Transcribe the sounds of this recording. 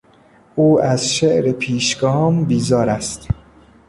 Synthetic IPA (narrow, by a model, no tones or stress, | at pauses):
ʔuːæzʃeʔɾepʰiːʃɡɒːmbiːzɒːɾæst̪